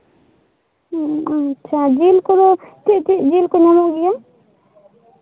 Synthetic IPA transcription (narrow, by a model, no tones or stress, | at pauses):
atːʃʰad͡ʒiːlkod̪ot̪iʔt̪iʔd͡ʒiːlkoɲamoʔɡija